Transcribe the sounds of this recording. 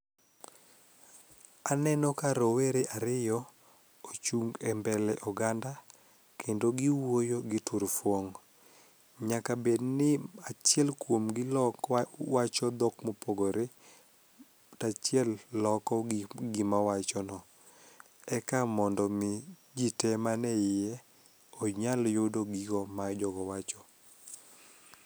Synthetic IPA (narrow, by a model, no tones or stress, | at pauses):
anɛnɔkaɾoweɾeʔaɾɪjɔ | ot͡ʃuŋɡɛmbɛlɛʔɔɡanda | kʰendoɡɪwojoɡɪtuɾfwoŋ | ɲakabednɪat͡ʃjɛlkwomɡɪ | wat͡ʃɔd̪ɔkmopoɡoɾe | tat͡ʃɪɛlːɔkɔɡɪmawat͡ʃɔnɔ | ɛkamɔndɔmɪ | d͡ʒitɛmanɛɪjɛ | ɔɲaljodoɡiɡɔmad͡ʒɔɡɔwat͡ʃɔ